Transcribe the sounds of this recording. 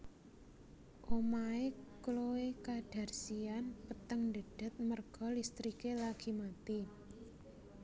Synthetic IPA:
ʔomaekloekaɖ̥a̤rsianpət̪əŋndə̤ɖ̥ə̤t̪̚mərɡ̥ɔ̤list̪ɾikelaɡ̥i̤mat̪i

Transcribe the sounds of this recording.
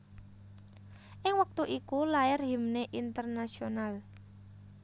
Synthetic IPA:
ʔɪŋwək̚t̪uʔikulaɪrɦi̤mneʔint̪ərnasional

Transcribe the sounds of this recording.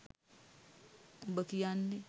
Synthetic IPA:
bəkijanːi

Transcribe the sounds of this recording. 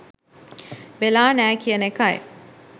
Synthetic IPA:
ʋelaːnæːkijənekae

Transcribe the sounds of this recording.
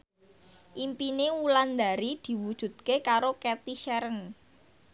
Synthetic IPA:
ʔimpineuland̪a̤ɾid̪̥i̤wud̥ʒ̥ṳd̪̥̚kekaɾokɛt̪iʃɛɾən

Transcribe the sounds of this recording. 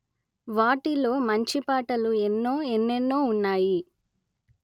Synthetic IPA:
ʋaːʈilo̞ːmɐɲt͡ʃipaːʈɐluenːoːenːenːo̞ːunːaːji

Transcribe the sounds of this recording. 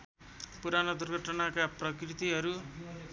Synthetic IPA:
puɾanʌd̪urɡʱʌʈʌnakaprʌkrit̪iɦʌɾu

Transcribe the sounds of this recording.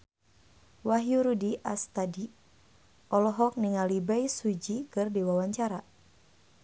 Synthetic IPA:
waɦjuɾudiʔast̪adi | ʔɔlɔɦɔk̚niŋalibaisud͡ʒikɨrdiwawaɲt͡ʃaɾa

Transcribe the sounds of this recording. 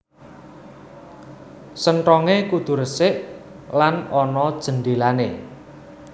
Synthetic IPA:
səɳʈɔŋekud̪̥ṳɾəsɪʔ | lanɔnɔd̥ʒ̥ə̤nɖelane

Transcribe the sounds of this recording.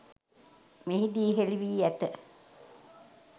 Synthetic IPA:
meɦid̪iːɦeliʋiːæt̪ə

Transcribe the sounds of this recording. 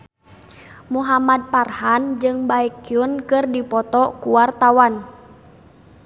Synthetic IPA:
muɦamad̚parhand͡ʒɨŋbaikiunkɨrdipɔt̪ɔkuwart̪awan

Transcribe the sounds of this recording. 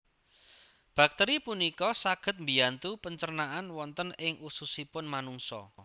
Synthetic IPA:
b̥a̤k̚t̪ɛɾipunikɔsaɡ̥ə̤t̪̚mbi̤ant̪upəɲt͡ʃərnaʔanwɔnt̪ənɪŋʔususipʊnmanuŋsɔ̰

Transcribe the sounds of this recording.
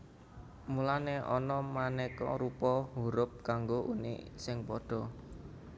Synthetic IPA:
mulaneʔɔnɔmanɛkɔ̰ɾupɔɦuɾʊp̚kaŋɡoʔunɪ̰ʔsɪŋpɔɖ̥ɔ̤

